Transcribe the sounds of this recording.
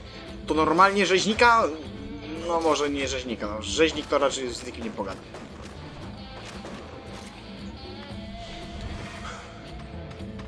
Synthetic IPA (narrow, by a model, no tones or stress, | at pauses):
t̪ɔnɔɾmalɲɛʐɛʑɲika | nɔmɔʐɛɲɛʐɛʑɲikanɔʐɛʑɲik̚t̪ɔɾat͡ʂɛj̪znʲikʲiɲɛpɔɡad̪ɛ